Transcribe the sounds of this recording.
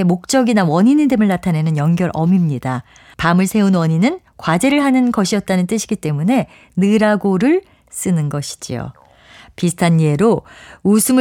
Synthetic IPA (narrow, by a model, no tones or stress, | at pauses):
emok̚t͡ɕ͈ʌɡinawʌɲinidemɯɭːatʰane̞nɯnjʌŋɡjʌɾʔʌmimɲida | pamɯɭsʰe̞unwʌɲinɯn | kwad͡ʑe̞ɾɯɭɦanɯnɡʌɕʰijʌt̚t͈anɯnt͈ɯɕʰiɡit͈e̞mune̞ | nɯɾaɡoɾɯɭ | s͈ɯnɯnɡʌɕʰi̥d͡ʑḭo̰ | pisʰɯ̥tʰaɲːie̞ɾousʰɯmɯ